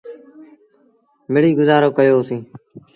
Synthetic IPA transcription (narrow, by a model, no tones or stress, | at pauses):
mɪɽiːɡʊzaːɾoːkəjoːsĩː